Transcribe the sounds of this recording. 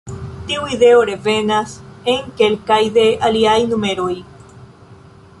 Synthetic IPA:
t̪iuiðeoɾevenaseŋkelkajðe̞aliajnumeɾoj

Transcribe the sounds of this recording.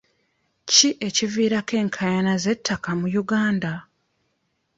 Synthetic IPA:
ciʔe̞civiːɾake̞ːŋkʰajanaze̞tʰːakamujuɡaːnda

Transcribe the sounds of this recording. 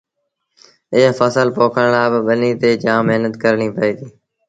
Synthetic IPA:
ɪɦfəsəlpoːkʰəɳlaːbɪɓəniːt̪eːd͡ʒãːmːeɦnət̪kəɾɳiːpəiːd̪iː

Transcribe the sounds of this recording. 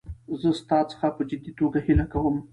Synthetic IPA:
zəst̪ɑt͡sə̥xapəd͡ʒɪd̪it̪oɡahilakawəm

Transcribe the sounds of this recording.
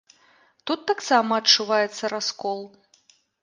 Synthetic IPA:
t̪ut̪ːaksamɐːt͡ʂuvajɛt̪sːɐɾaskɔlˠ

